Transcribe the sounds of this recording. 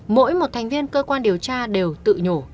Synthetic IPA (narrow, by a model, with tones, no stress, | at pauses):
mo̰˧˥jmo˨˩t̚t̪ʰɛ˨˩jŋ̟vi˧ənkəː˧kwaː˧nɗi˨˩əwt͡ɕaː˧ɗe˨˩wt̪ɨ̰˧˨ɲo˧˩